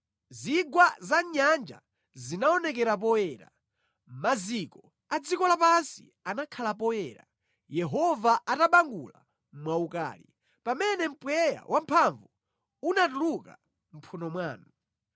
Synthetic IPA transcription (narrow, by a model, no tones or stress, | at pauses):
ziɡwazaɲand͡ʒa̰ | zinaɔnɛk̬ɛɾap̬ɔɛːɾa̰ | m̩mazikɔ | ad͡zikɔlapansḭ | anakʰalap̬ɔɛːɾa̰ | jɛɦɔvaʔataɓaŋɡṵla̰ | mwauka̰ːlḭ | pamɛnɛm̩pwɛja̰wʔampʰaɱvu | unatuluka | m̩pʰunɔmwaːnu